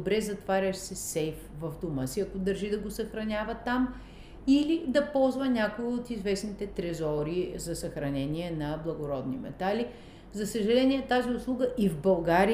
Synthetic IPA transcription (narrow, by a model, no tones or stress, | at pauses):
bɾɛzɐt̪vaɾʲɐʃsɛsɛjfvɐvd̪oməsiɐkod̪ɐɾʒid̪ɐɡosəxɾɐnʲavət̪ːam | ilid̪ɐpɔlˠzvɐnʲakoiot̪izvɛsnit̪ɛt̪ɾɛzɔɾizɐsɐxɾɐnɛnʲiɛnɐblˠɐɡoɾɔd̪nḭmɛ̰t̪ali | zɐsəʒɐlɛnʲiɛt̪aziʊslˠuɡəʔivbɐlˠɡaɾi